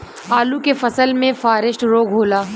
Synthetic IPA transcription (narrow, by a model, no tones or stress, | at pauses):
aːlukefɐsəlmẽfaːɾɪʃʈɾoːɡɦoːlaː